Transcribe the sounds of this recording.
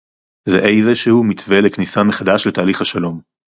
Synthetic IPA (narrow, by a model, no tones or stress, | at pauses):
zeʔejzeʃehumit͡sve̞leknisameχad̪aʃle̞t̪aːliχhaʃalo̞m